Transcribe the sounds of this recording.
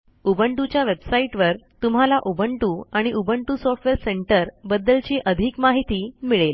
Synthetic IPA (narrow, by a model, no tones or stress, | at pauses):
ubəɳʈut͡ɕjaʋebsaiʈʋəɾt̪um̤ɦalaʔubəɳʈuːaɽ̃iʔubəɳʈusɔfʈʋeɾseɳʈəɾbəd̪ːəlt͡ɕiːʔəd̪ʱiːkmaɦit̪iːmiɭel